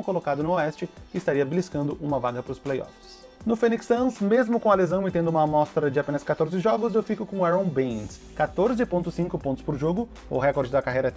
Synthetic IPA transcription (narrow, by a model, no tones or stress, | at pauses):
kolokad̪ʊnʊoɛst͡ʃɪɪːst̪aɾiɐbliskɐ̃nd̪ʊʔũmɐvaɡɐpɾʊsplejɔ̰fɪs | nʊfẽniksɐ̃smezmʊkõalezɐ̃w̃mɪt̪ẽd̪ʊũmɐmɔst̪ɾɐd͡ʒɪapẽnɐskat̪oɾzɪʒɔɡʊzewfikʊkõaɾõbẽs | kat̪oɾzɪpõnt̪ʊsĩkʊpõnt̪ʊ̥spoɾʒoɡʊ | ʊ̰ɦɛkoɾd͡ʒɪd̪ɐkaɦejɾɐɛ